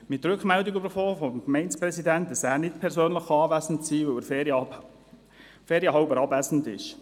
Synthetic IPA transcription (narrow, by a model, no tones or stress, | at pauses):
mɪt̪ɾʏkχmɛldiɡybəɾfoːfɔmkmɛɪnspɾɛsidænt̚d̥ɑsæːɾnɪt̚pʰɛɾsøːnləχɑːʋæsn̩tsiːʋœwəɾf | feːɾjəɦɑʊbəɾɑbæsn̩dɪ̰ʃ